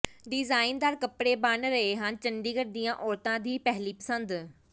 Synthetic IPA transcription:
ɖɪzaːɪnd̪aːɾkəpɽeːbaːnɾɐɦeɦãːnt͡ɕə̃ɳɖiːkəɾd̪ijãːʔɔːɾt̪ãːd̪iːpɛɦliːpəsə̃nd̪

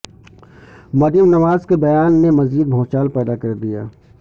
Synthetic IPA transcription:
mɐd̪jəmnɐʋaːzkebɐjaːnːemɐziːd̪̚bʱɔ̃ːt͡ʃaːlpɛːd̪akɐɾd̪ija̰ː

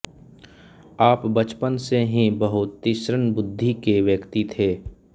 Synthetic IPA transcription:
aːpbət͡ʃpənseɦĩbəɦʊt̪ːɪʃɾənbʊd̪ʱːikeʋjəkt̪it̪ʰeː

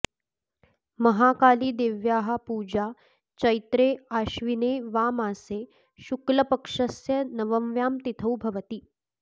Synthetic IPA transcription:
mɐɦaːkaːliːd̪eːʋjaːɦapuːd͡ʑa | t͡ʃɐjt̪ɾeːaːɕʋineːʋaːmaːseː | ɕuklɐpɐkʂəsjɐnɐʋɐmʋjaːmt̪it̪ʰəwbʱɐʋət̪iː

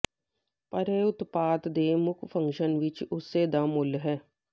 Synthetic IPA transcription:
pɐɾeːʊt̪paːt̪d̪eːmʊkʰfʰə̃ŋkʃənʋɪt͡ʃʊsːeːd̪amʊlɦɛː

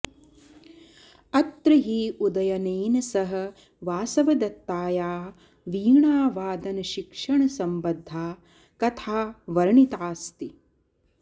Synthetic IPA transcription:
ɐt̪ɾɐɦiːʔud̪ɐjɐneːnɐsɐɦɐ̆ | ʋaːsɐʋɐd̪ɐt̪ːaːjaː | ʋiːɳaːʋaːd̪ɐnɐʃikʂɐɳɐsɐmbɐd̪ʱːaː | kɐt̪ʰaːʋɐɾɐɳit̪aːst̪i

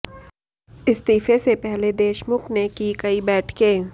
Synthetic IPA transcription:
ɪst̪iːfesepɛɦled̪eːʃmʊkʰnekikɐibɛːʈʰkẽː

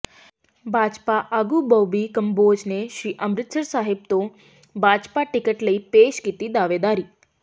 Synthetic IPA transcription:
bʱad͡ʒpaʔəɡubəwbikəmbod͡ʒneʃɾiʔəmɾɪt̪səɾsaɦɪb̚t̪o | bʱad͡ʒpaʈɪkəʈləipeʃkit̪id̪aʋed̪aɾi

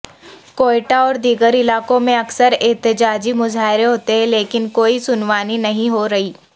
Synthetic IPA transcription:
koːɪʈaɔːɾd̪iːɡəɾɪlaːkõmẽɐksəɾɛːt̪ɪd͡ʒaːd͡ʒimʊzaːɪɾeɦoːt̪eɦɛ̃leːkɪnkoːisʊnʋaːninɐɦĩɦoɾɐɦiː

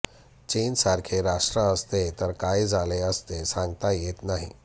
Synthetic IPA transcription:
t͡ʃensaɾkʰeɾaʂʈɾəəst̪et̪əɾkajd͡zaleəst̪esãŋɡt̪ajet̪naɦḭ

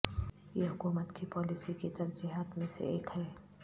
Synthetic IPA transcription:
jeɦʊkuːmət̪kipɔːlisikit̪ɐɾd͡ʒiɦaːt̪mẽsḛeːkɦɛː

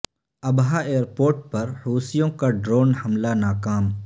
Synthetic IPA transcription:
ɐbɦaeːəɾpoːɾʈ̚pɐɾhuːsijõkaɖɾoːnhɐmlanaːkaːm

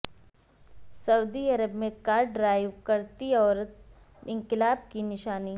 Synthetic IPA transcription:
sɐud̪iɐɾəbmẽkaːɾɖɾaːɪʋkɐɾt̪iɔːɾət̪ | ɪ̃ŋkɪlaːb̚kinɪʃaːni

